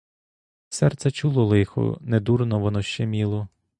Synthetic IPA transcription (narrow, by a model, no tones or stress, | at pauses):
sɛrt̪sɛt͡ʃulˠɔlˠɪxʊ̰ned̪urnɔʋɔnɔʃt͡ʃɛmʲilˠɔ